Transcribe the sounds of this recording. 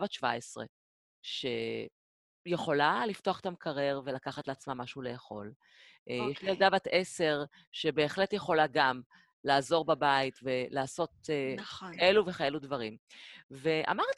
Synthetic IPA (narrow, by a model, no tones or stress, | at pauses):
vatʃva̰esʁḛ | ʃe̞ | jeχo̞lalift̪oaχe̥t̪amkʰaʁeʁve̞lakaχatleat͡smamaʃuule̞aχo̞̰l | ʔjjeʃeldavat̪ese̞ʁ | ʃe̞be̞ːχletjeχo̞laɡam | laːzo̞ʁbabaitve̞laːso̞t̪̚enkaeluveχajeludvɐʁimve̞ʔa̰maʁt